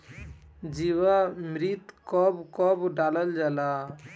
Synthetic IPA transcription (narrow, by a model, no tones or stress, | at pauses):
d͡ʒiwamɾit̪kɔbkɔbɖaːləld͡ʒala